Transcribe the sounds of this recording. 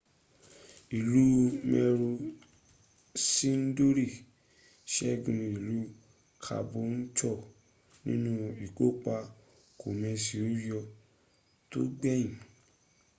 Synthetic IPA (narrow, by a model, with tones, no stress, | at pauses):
i˨lu˦mɛ˧ɾu˧ | sĩ˦n̩˦do˦ɾi˦˨ | ʃɛ˦˨ɡũ˧˨˧i˨lu˦ | kʰa̰˧bo˧n̩˦t͡ʃɔ˦˨ | nĩ˦nũ˦i˨ɡo˦k͡pa˧ | ko˨mɛ̃˧si˨u˦jɔ˧ | to˦ɡ͡bɛ˦jĩ˨